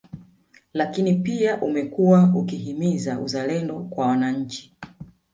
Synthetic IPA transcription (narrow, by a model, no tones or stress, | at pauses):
lakinipiaʔumɛkuwaukihimizaʔṵzalɛndɔkwawanaɲ̩t͡ʃi̥